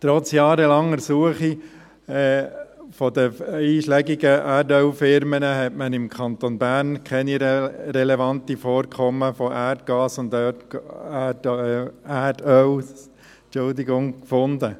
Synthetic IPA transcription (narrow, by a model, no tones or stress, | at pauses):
t̪ɾɔt͡sjɑːɾəlɑŋɛɾsuəχi | ɛːfɔdəiːʃlɛɡiɡəʔædœlfɪɾmənəɦɛtmənɪmkʰɑntonbænkʰɛniɾɛlɛʋɑntifoːɾkʰɔməfɔʔærtɡ̥ɑːsʊndtː | ædœw | t͡ʃʊldɪɡʊŋkfʊndə